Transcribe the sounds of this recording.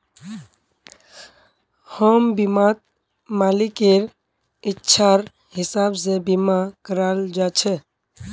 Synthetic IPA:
həmbimat̪̚ | malikeɾ | itːʃʰaɾ | ɦɪsabsebimakəɾald͡ʒat͡ʃʰɛ

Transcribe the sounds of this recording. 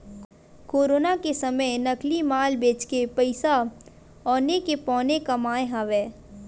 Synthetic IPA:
koːɾoːnakesɐməjnɐklimaːlbeːt͡ʃkepəɪsa | ɔːnekepɔ̃ːnekamaːjɦaʋɛː

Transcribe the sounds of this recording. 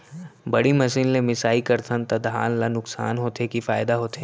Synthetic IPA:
bɐɽimɐsiːnlemɪsaːikɐɾt̪ʰənt̪ɐd̪ɦa̰ːllanʊksa̰ːnɦoːt̪ekifaːɪd̪aɦoːt̪e

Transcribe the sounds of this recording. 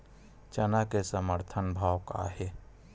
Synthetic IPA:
t͡ʃɐnakesəməɾt̪ʰənbʱawka̰ɦe

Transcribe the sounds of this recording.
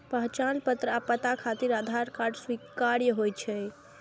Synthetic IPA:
pəɦt͡ʃalpət̪ɾəapət̪akʰat̪iɾad̪ʱaɾkaɾɖswikaɾjəɦojt͡ʃʰɛ

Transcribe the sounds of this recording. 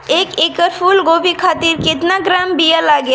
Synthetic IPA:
eːkeːkəɾpʰuːlɡoːbʱikʰaːt̪ɪɾkɪt̪naɡɾaːmbijəlaːɡja

